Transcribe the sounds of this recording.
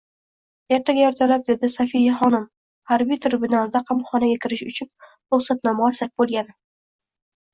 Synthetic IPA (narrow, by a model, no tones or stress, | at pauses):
eɾt̪ʰaɡʲajɒɾt̪ʰalap̚d̪e̞d̪ɪsafijaχɒnɪm | haɾbijt̪ʰɪɾbʊnalˠd̪aqʰɑmχɒnaɡʲakʲʰɪɾɪʃʊt͡ʃʰʊn | ɾʊχsat̪nɒmsak̚ʲbolˠɡʲanɪ